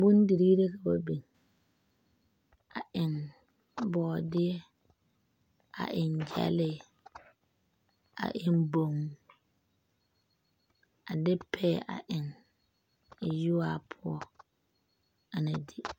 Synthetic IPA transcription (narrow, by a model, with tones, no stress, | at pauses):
bʊ˦n˦di˨ɾiː˦ɾe˦ka˨ba˨bi˨ŋ | a˨ʔɪ˨ŋ | bɔː˨dɪ˦ɛ˦ | a̰˨ʔɪ˨nd͡ʒa̰˦lɪ˦˨ | a̰˨ʔɪ˦nbo˨m˨ | a˨dɪ˦pʰɛ˦˨ʔa̰˨ʔɪ˨ŋ˨ | ju˦waː˦˨pʰʊ˦ɔ˦ | a˨na˨di˦